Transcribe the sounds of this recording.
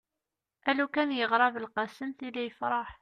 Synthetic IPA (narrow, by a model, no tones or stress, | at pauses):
ʔælukænjəʁɾˤɑvəlqɑsəmθilijəfɾˤɑħ